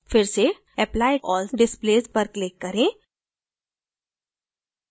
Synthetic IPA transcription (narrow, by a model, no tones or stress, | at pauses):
fɪɾse | ɛplaɪɔːlsɖɪsplezpəɾklekːəɾẽ